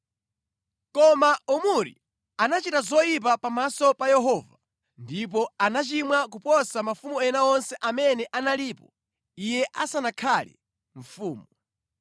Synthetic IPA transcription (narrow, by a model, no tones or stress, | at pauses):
kɔmaʔumuɾḭ | anat͡ʃitazɔjip̬apamasɔpajɛɦɔːva | ndip̬ɔanat͡ʃimwak̬upɔsamafumuɛnaɔnsɛʔamɛnɛʔanaliːpɔ | ijɛʔasanakʰalɛ̰ | ɱ̩fuːmu